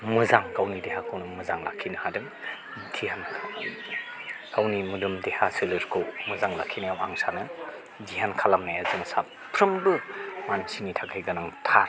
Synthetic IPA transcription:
mɯzaŋkawnidehakʰɯwnɯmɯzaŋla̰kʰinɯhadɯŋ | dihanʰ | kawnimudumdehasɯlɯɾkʰɯwmɯzaŋlakʰːinajawaaŋsanɯ | diɦankʰalamnajazɯŋsa | pʰɾɯmbɯmansinitʰakʰajɡanaŋtʰa

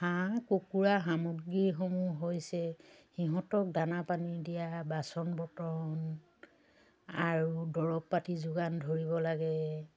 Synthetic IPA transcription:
hãkokuɹaɦamuɡːiɹxomuɦojsɛhiɦɔ̃tɔk̚danapanidijabasɔnbɔtɔn | aɹudɔɹɔpːatizʊɡandʱoɹibɔlaɡɛ

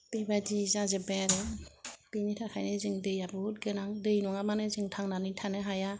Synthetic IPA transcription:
pebadizazɯbɛɾebinitʰakʰajnɯzɯŋdɯjabɯt̚ɡɯnaŋdɯjnɔŋamanɯzɯŋtʰaŋnanitʰanɯɦaja

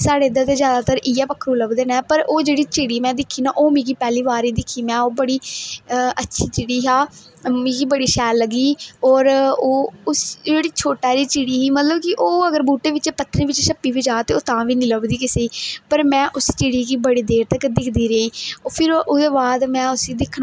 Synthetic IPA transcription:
saːɽeːɪd̪at̪̬eːzjaːd̪aːt̪əɾʔɪjaːpəkʰːəɾuləbd̪eːnɛːpəɾoːd͡ʒeːɽiːt͡ʃɪɽiːmɛ̃ːd̪ɪkʰːiːnãːʔoːmĩːkiːpɛːliːʋaːɾiːd̪ɪkʰːiːmɛ̃ːoːbəɽiː | ʔətːʃʰiːt͡ʃɪɽiːɦaː | mĩːkiːbəɽiːʃɛːlːəɡiːɔːɾoːʊsd͡ʒeːɽiːt͡ʃʰoːʈaːɾiːt͡ʃɪɽiːɦiːmət̪ləbkɪʔoːəɡəɾbuːʈeːʋɪt͡ʃːpət̪ːɾẽːʋɪt͡ʃʃəpːiːʋiːd͡ʒaːt̪eːoːt̪ãːʋiːnĩːləbd̪iːkɪseːiːpəɾmɛ̃ːʔʊst͡ʃɪɽiːkiːbəɽiːd̪eːɾt̪əkːd̪ɪkʰd̪iːɾeːiːopʰɪɾʊd̪eːbaːd̪mɛ̃ːʊsiːd̪ɪkʰːn

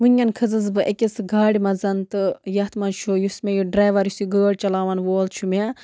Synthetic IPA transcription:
ʋɨnɐnkʰɨzɨzbɨʔɐkʲisɡaːɽʲimɐzɐnt̪ɨjɐt̪mɐnt͡ʃʰojusmejuɖɾaːʋɐɾjusiɡəːɽt͡ʃɐlaːʋɐnʋoːlt͡ʃʰumʲe

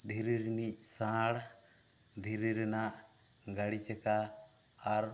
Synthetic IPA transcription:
d̪ʱiɾiɾnisãɽ | d̪ʱiɾiɾɛnaʔɡaɽit͡ʃɛkaː | ɾ

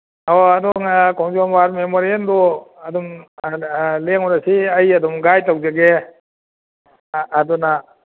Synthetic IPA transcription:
aadɔŋkɔwŋzambaɾmemɔɾendɔadɔm | leŋɔɾasiajadɔmɡajtawzaɡe | dɔna

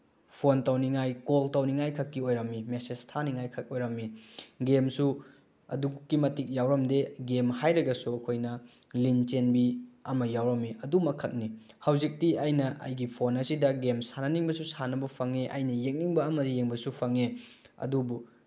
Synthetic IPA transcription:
pʰontawniŋajkoltawniŋajkʰɐkːiojɾɐmːimesestʰaniŋajkʰɐk̚ojɾɐmːiɡemsu | ɐ̰dukːimɐtik̚jawɾɐmdeɡemhajɾɐɡɐsuɐkʰojnɐ | lint͡ʃenbiɐmɐjawɾɐmːiʔɐdumɐkʰɐk̚ni | hɐwzik̚tiɐjnɐʔɐ̰jɡipʰonɐsidɐɡemsanɐniŋbɐsusanɐbɐpʰɐŋeʔɐ̰jnɐjek̚niŋbɐːmɐdijeŋbɐsupʰɐŋeɐ̰dubu

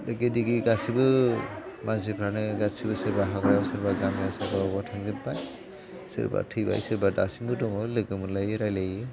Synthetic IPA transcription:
lɯɡɯdiɡiɡasibɯ | manzipʰɾanɯɡasibɯsɯɾbaɦaɡɾasɯɾbaɡamasɯɾbabɔtʰaŋzimpaj | sɯ̰ɾba̰tʰɯjba̰jsɯɾbadasimɯdɔŋɔlɯɡɯmɯlajɯɾajlajɯ

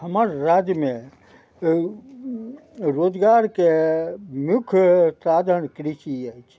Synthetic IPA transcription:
həməɾːad̪mẽ | ɾoːd͡ʒɡaɾke | mjukʰtɾad̪ʱənkɾiʃiəjt͡ʃʰ

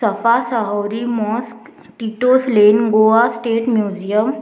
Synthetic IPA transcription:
əfasəɦəwɾimɔsk | ʈiʈoslenɡoasʈeːʈmjud͡ʑijəm

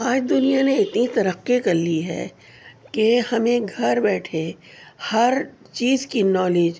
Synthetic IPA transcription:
aːd͡ʒd̪ʊnijaneɪt̪nit̪ɐɾəqːikɐɾliɦɛ̰ː | kehɐmẽɡʱɐɾbɛːʈʰe | hɐɾ | t͡ʃiːzkinɔːleːd͡ʒ

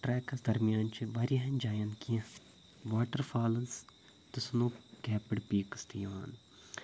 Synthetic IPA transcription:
ʈɾɛːkɐsd̪ɐɾmijaːnt͡ʃiʋaːɾiɦɐnd͡ʒaːjɐnkiɐ̃ | ʋaːʈəɾfʰaːlɐns | t̪ʊsnũːkɛːpɪɽpiːkst̪ijaːn

